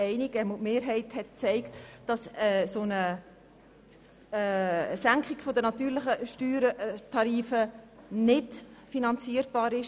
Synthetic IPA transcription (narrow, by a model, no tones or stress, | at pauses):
ɛɪniɡəmutmeːɾɦɛɪthɛt̚t͡sɛɪktd̥ɑsəsonə | sæŋkχɪɡ̥fodənɑtyːɾlɪχəʃtyːɾətʰɑɾiːfə | nɪdfinɑnt͡siːəɾb̥ɑːɾɪʃ